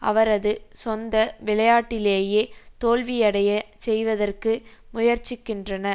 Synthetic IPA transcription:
ʔɐ̰ʋɐɾɐðɯsɔnd̪ɐʋɪɭɐjaːʈːɪleːjeːt̪oːlʋɪjɐɽɐjɐ | sɛjʋɐðɐrkɯ | mʊjɐɾt͡ʃɪkːɪndrɐnɐ

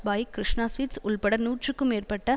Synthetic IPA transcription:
bɐːjkːɾɪʂɳaːsʋiːtsʊɭpɐɽɐɾnuːʈrɯkːɯmeːrpɐʈːɐ

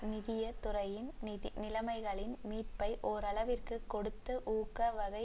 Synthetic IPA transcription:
nɪðɪjɐt̪ʊrɐjɪnnɪlɐmɐɪɣɐɭɪnmiːʈ̚pɐɪʔɔɾɐɭɐʋɪrkɯkːɔɽɯt̪ːɯʔuːkɐʋɐɣɐɪ

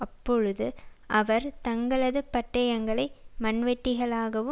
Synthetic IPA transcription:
ɐpːɔɻɯðɯʔɐʋɐɾt̪ɐŋɡɐɭɐðɯpɐʈːɐjɐŋɡɐɭɐɪmɐnʋɛʈːɪɣɐɭaːɣɐʋɯ

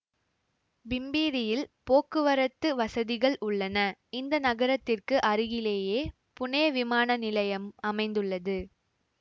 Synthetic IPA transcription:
bɪmbiːɾɪjɪlpoːkːɯʋɐɾɐt̪ːɯʋɐsɐðɪɣɐɭʊɭːɐnɐɪnd̪ɐnɐɣɐɾɐt̪ːɪrkɯʔɐɾɯɣɪleːjeː | pʊneːʋɪmaːnɐnɪlɐjɐmɐmɐɪnd̪ɯɭːɐðɯ

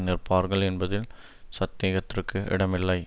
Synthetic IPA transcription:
nɪrpaːɾɣɐɭɛnbɐðɪl | sɐt̪ːeːɣɐt̪ːɪrkːɯʔɪ̰ɽɐmɪlːɐɪ

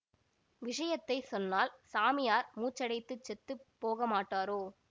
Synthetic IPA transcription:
ʋɪʂɐjɐt̪ːɐɪsɔnːaːlsaːmɪjaːɾmuːt͡ʃːɐɽɐɪt̪ːɯt͡ʃːɛt̪ːɯpːoːɣɐmaːʈːaːɾoː

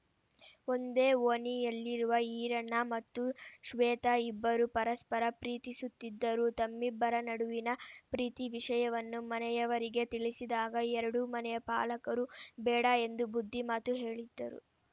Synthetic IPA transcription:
o̞nd̪e̞ːoːnijɐlːiɾuʋɐiːɾɐnːɐmɐt̪ːuʃʋɛːt̪ɐibːɐɾupɐɾɐspɐɾɐpɾiːt̪isut̪ːid̪ːɐɾut̪ɐmːibːɐɾɐnɐɽuʋinɐpɾiːt̪iʋiʂɐjɐʋɐnːumɐnɛjɐʋɐɾiɡe̞t̪iɭisid̪aːɡɐɛɾɐɽumɐnɛjɐpa̰ːlɐkɐɾubɛːɽɐe̞nd̪ubud̪ʱːimaːt̪uɦe̞ːɭid̪ːɐɾṵ

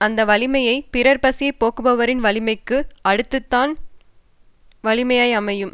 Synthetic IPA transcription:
ɐnd̪ɐʋɐlɪmɐjɐɪpɪɾɐɾpɐsɪjɐɪpoːkɯbɐʋɐɾɪnʋɐlɪmɐɪkːɯɐɽɯt̪ːɯt̪ːaːn | ʋɐlɪmɐjɐɪjɐmɐjɯm

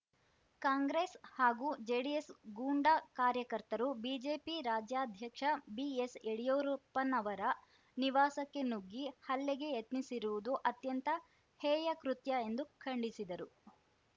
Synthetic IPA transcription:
kaːŋɡɾeːshaːɡuːd͡ʒeːɖijesɡuːɳɖakaːɾjɐkɐɾt̪ɐɾubiːd͡ʒeːpiɾaːd͡ʒjaːd̪ʱjɐkʂɐbieseɽijoːɾupːɐnɐʋɐɾɐ | niʋaːsɐkːe̞nuɡːihɐlːɛɡe̞jɐt̪nisiɾuʋud̪uʔɐt̪jɐnt̪ɐ | hɛːjɐkɾut̪jɐe̞nd̪ukʰɐɳɖisid̪ɐɾu

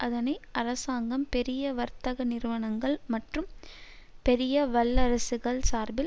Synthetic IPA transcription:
ʔɐðɐnɐɪʔɐɾɐsaːŋɡɐmpɛɾɪjɐʋɐɾt̪ɐɣɐnɪɾɯʋɐɳɐŋɡɐɭmɐʈrɯm | pɛɾɪjɐʋɐɭːɐɾɐsɯɣɐɭsaːɾbɪ

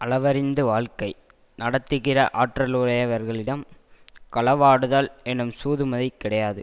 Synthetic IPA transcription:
ʔɐɭɐʋɐɾɪnd̪ɯʋaːɭkɐɪ | nɐɽɐt̪ːɯɣɪrɐ̰ʔaːʈrɐlɯɽɐjɐʋɐɾɣɐɭɪɽɐmkɐɭɐʋaːɽɯðaːlɛnːɯmsuːðɯmɐðɐɪkːɪɽɐjaːðɯ

